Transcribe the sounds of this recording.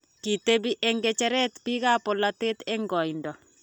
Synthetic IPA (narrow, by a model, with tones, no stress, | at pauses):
ki˨t̪e˦bi˦ʔe˦ŋɡe˦t͡ʃɛ˦ɾɛ˦t̪pi˦ɣa˦pɔ˨la˨t̪e˦t̪e˦ŋɡɔ˨jndɔ˨